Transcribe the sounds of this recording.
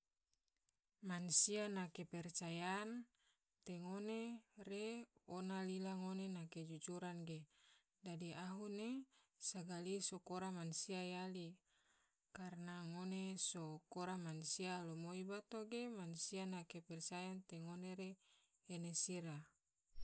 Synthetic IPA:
mansianakepɛrt͡ʃajan | t̪eŋonereonalilaŋonenaked͡ʒud͡ʒuɾanɡe | dadiaɦune | saɡalisokoɾamansiajali | karnaŋonesokoɾamansialomoibat̪oɡemansianakepɛrt͡ʃajant̪eŋoneɾeː | nesiɾa

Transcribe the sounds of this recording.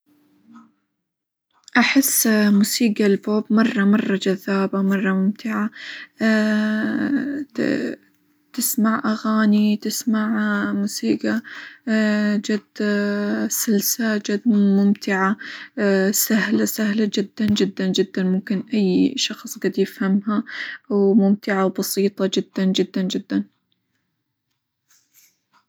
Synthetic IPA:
ʔaħɪsːmusiːɡalboːbmɑrˤːɑmɑrˤːɑd͡ʒaðːaːbamɑrˤːɑmʊmt̪ɪʕa | t̪ɪsmaʕʔaɣaːnit̪ɪsmaʕmusiːɡa | d͡ʒad̪ | sɪlsad͡ʒad̪mʊmt̪ɪʕa | sahlasahlad͡ʒɪd̪ːand͡ʒɪd̪ːand͡ʒɪd̪ːanmʊmkɪnʔajːʃɑxsˤɡad̪jɪfhamɦawmʊmt̪ɪʕawbɑsiːt̪ˤɑd͡ʒɪd̪ːand͡ʒɪd̪ːand͡ʒɪd̪ːan

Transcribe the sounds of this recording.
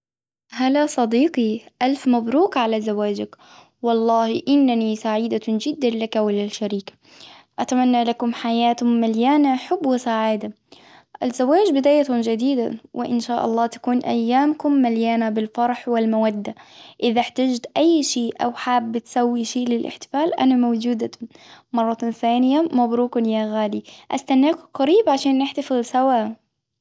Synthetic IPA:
halasˤɑd̪iːqiʔalfmabɾuːkʕalazawaːd͡ʒak | wɑlˤːɑːhʔɪnːanisaʕiːd̪ad͡ʒɪd̪ːanlakawɪlalʃaɾiːk | ʔat̪amanːalakʊmħajaːt̪maljaːnaħʊbːwɪsaʕaːd̪a | ʔazːawaːd͡ʒbɪd̪aːjat̪ʊd͡ʒad̪iːd̪a̰wɪ̰ʔɪ̰nʃaːʔɑ̰lˤːɑːt̪ḁkuːnʔa̰jːaːmkʊmːaljaːnabɪlfɑɾˤħwɪlmawad̪ːaʔɪðaħt̪ad͡ʒt̪ʔajːʃiːʔʔawħaːbːɪt̪sawːiʃiːʔlɪlʔɪ̰ħt̪ɪ̥faːlʔa̰namawd͡ʒuːd̪amɑrˤːɑt̪θaːnɪjamabɾuːkʊnjaːɣaːliʔa̰st̪anːaːkʊqɑɾiːbʕaʃaːnːɪħt̪ɑfɪlsawaː

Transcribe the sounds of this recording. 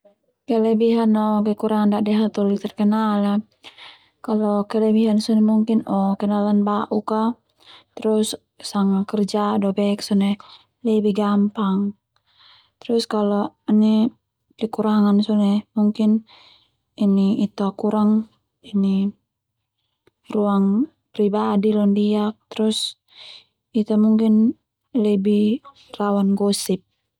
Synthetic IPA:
kɛlɛbiɦanɔkɛkuɾaŋandaʔdɛɦat̪ɔlit̪ɛrkɛnala | kalɔkɛlɛbiɦansɔnɛmuŋkinɔkɛnalanbaʔuka | t̪ɾus | saŋakərd͡ʒadɔbɛksɔnɛ | lɛbihɡampaŋ | t̪ɾuskalɔni | kikuɾaŋansɔnɛmuŋkin | iniit̪akuɾaŋ | ini | ruaŋ | pɾibadilɔndiak̚t̪ɾus | it̪amuŋkin | lɛbi | lawanɡɔsip̚

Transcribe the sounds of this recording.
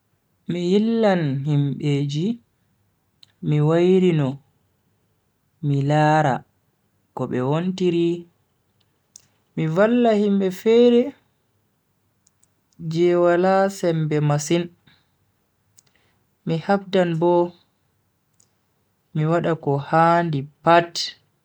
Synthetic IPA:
mijilːanhimɓed͡ʒi | miwajɾinɔ | milaːɾa̰ | kɔɓɛwontiɾi | mivalːahimɓɛfɛɾɛ | d͡ʒɛwalasɛmbɛmasin | mihabdanbɔ | miwaɗakɔhandipat

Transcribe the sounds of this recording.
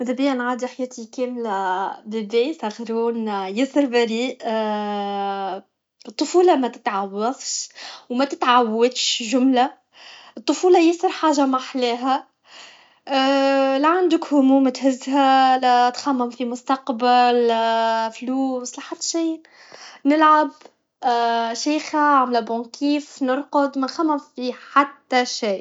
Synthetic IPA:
md̪æbɪjːænʕaːd̪iħjæːt̪ʰikɛːmlæbɪbiːsʔæxɾuːnjɪsəɾbæɾiːʔ | ɨt̪ˤːʊfuːlɑmæt̪ɪ̥t̪ʕawːɑðˤʃwmæt̪ɪt̪ʕawːæt̪ʃʒʊmlæ | ɨt̪ˤːʊfuːlɑjɪsˤəɾˤħaːʒamaħlɛːɦæ | læʕand̪ɪkhʊmuːmæt̪hɪzːɦælæt̪xæmːɪmfimʊst̪ɑqbal | fluːslæħat̪ːʃiː | nɪlʕab | ʃaːxæʕamlæbɔ̃kiːfnʊɾqʊd̪mɪnxæmːɪmfiħat̪ːæʃaː

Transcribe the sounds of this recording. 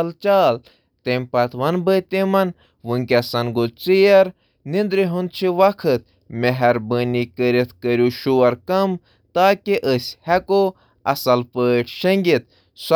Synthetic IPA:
lt͡ʃaːl | t̪emʲpɐt̪ʋɐnbət̪emɐn | ʋɨŋkʲɐsɐnɡot͡sijɐɾ | nind̪ɾiɦund̪̚t͡ʃʰiʋɐkʰɨt̪̚ | meɦɐɾbənikəɾit̪kəɾʲjuʃuʋɐɾkɐm | t̪aːkiʔəsʲhɐko | ɐ̰sɐlpəːʈʰʃɐŋɡʲit̪̚ | s

